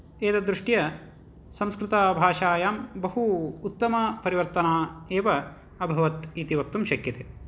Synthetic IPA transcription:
eːt̪ɐd̪ɾuʂʈjɐ | sɐmskɾut̪aːbʱaːʃaːjaːmbɐɦuːt̪ːɐmɐpɐɾiʋɐɾt̪ɐnaːeːʋɐ | ɐbʱɐʋɐt̪it̪iʋɐk̚t̪umʃɐkjɐt̪e

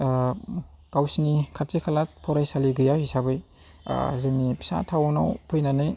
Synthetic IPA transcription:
kawsinikʰattikʰalat̚pʰɔɾajsaliɡɯjahisabɯj̰ | zɯŋnipʰi̥sa̰tʰawnawpʰɯjnanɯj

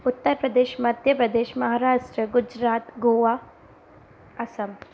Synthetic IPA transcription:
ut̪ːɐɾpɾɐd̪eːʃmɐd̪ʱjɐpɾɐd̪eːʃmɐɦaːɾaːʂʈɾəɡud͡ʒɾaːt̪ɡoːʋaː | ɐsɐm

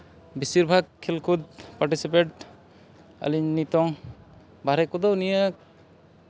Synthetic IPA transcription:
bisiɾbʱaɡ̚kʰːilkʰud̪̚paɾʈisip̬eʈ̚ | ə̰liɲnit̪ɔŋ | baɾɛkud̪ɔnijə

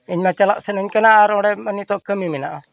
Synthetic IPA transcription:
iɲmat͡ʃalaʔsɛnəɲkɛnaʔːɾɔɽɛmənit̪ɔʔkəmimɛna̰ʔa

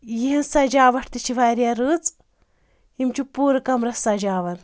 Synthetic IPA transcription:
jiɦinsɐd͡ʒaːʋɐʈʰt̪it͡ʃʰiʋaːɾʲjaːɾɨːt͡s | imt͡ʃupuːɾɐkɐmɾɐsɐd͡ʒaːʋɐl

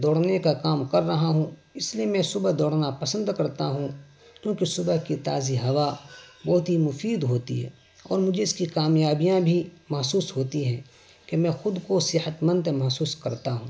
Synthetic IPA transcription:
d̪ɔːɽnekakaːmkɐɾːɐɦaɦũɪslijemɛ̃sʊbəɦd̪ɔːɽnapɐsə̃nd̪kɐɾt̪aɦũ | kjõːkisʊbəɦkit̪a̰ːziɦɐʋabɔːt̪ɦimʊfiːd̪ɦoːt̪ḭɦɛ̰ː | ɔ̰ːɾmʊd͡ʒʱeɪskikaːmjaːbijãbʱimɐɦsuːsɦoːt̪iɦɛ̃ː | kemɛ̃ːxʊd̪kosɪɦət̪mə̃nd̪emɐɦsuːskɐɾt̪aɦũː

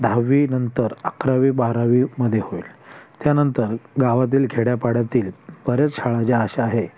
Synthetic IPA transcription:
d̪ʱaʋːiːnənt̪əɾakɾaʋiːbaɦɾaʋiməd̪ʱːjehoilt̪janənt̪əɾɡaʋat̪̬iːlɡʱeɽjapaɽat̪iːlbəɾet͡sɕʰaɭat͡ɕeaɕaaɦe

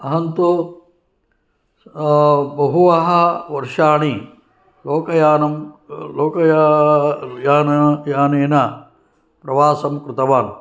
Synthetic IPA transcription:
ɐɦɐnt̪u | bɐɦuʋɐɦɐʋɐɾʂaːɳi | loːkɐjaːnɐmloːkɐj | jaːnjaːneːnɐ | pɾɐʋaːsɐmkɾɪt̪ɐʋaːn

